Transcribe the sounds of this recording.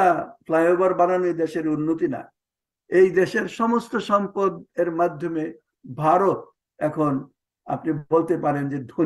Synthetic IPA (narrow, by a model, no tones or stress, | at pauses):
afʰlajobaɾbananid̪eʃeɾunːot̪ina̰ | ejd̪eʃeɾʃɔmost̪oʃɔmpod̪eɾmad̪ʱːome | bʱaɾot̪ | ɛkʰon | a̰pniolt̪epaɾend͡ʑed̪ʱo